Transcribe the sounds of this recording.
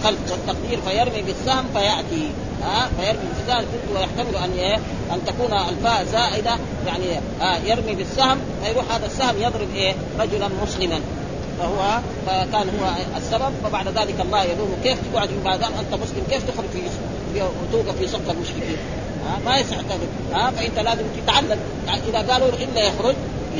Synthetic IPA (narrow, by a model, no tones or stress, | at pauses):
xalbwat̪ːɑqd̪iːɾfajɪɾˤmibisːahmfajaʕt̪i | ʔaːfajɑɾˤmibifsahmkʊt̪uwajaħt̪amiluʔanːʔeː | ʔant̪akuːnalfaːʔzaːʔɪd̪a | jaʕni | ʔajɪɾˤmibisːahm | fajɾuːħhaːd̪asːahmjɑðˤɾɪbʔeː | ɾˤɑd͡ʒulanmʊslɪman | fahuwːa | fakaːnhuwːaʔasːabab̚fabaʕd̪ðaːlɪkʔɑlˤːɑːhjɑluːmukeːft̪ɪɡʕad̪mubaːd̪aːmʔant̪amʊslɪmkeːft̪ɪxɾʊd͡ʒfis | fiwt̪uːɡafisˤɑqt̪ɑlmʊʃkibiː | ʔaːmajasɪʕt̪amɪd̪ | ʔaːfaʔɪnt̪alaːzimt̪ɪt̪ʕalːam | ʔiðaɡaːluʔɪlːajɑxɾʊd͡ʒ